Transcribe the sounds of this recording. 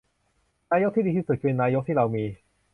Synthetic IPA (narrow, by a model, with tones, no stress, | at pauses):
naː˧jo˦˥k̚t̪iː˥˩diː˧iː˥˩su˨˩t̪̚ʰːe˧nːaː˧˥jo˦˥k̚t̪ʰiː˥˩ɾa˧wmiː˧